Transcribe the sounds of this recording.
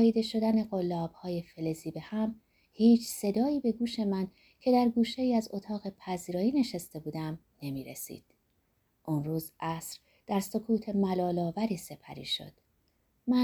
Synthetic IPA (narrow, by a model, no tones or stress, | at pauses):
iːd̪e̞ʃo̞d̪æne̞ɢo̞lːɒːb̥hɒːje̞feleziːbe̞hæm | hiːt͡ʃʰse̞d̪ɒːiːbe̞ɡuːʃe̞mæn | cʰe̞d̪æɾɡuːʃe̞jiːæzot̪ʰɒːɣe̞pʰæziːɾɒːjiːne̞ʃest̪e̞buːd̪æm | ne̞miːɾḛsḭːd̪̥̚ | ʔunruːzʔæsɾ | d̪̥æɾso̞kʰuːt̪ʰe̞mælɒːlɒːvæɾiːse̞pʰæ̰ɾḭːʃo̞̰d̪̥ | mæ